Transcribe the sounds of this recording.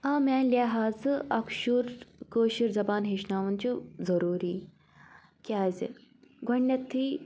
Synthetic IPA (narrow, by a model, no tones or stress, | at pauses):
aːmaːlʲaɦaːzɨɐkʃuɾkoːʃiɾzɐbaːnɦeʃnaːʋɐnt͡ʃuzɐɾuːɾiː | kʲaːzɡʱoɳːɐt̪ʰːiː